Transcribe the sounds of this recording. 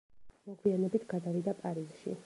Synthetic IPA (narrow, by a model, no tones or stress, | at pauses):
mɔɡwianɛbit̪ʰɡ̥ad̪avid̪apʼaɾizʃḭ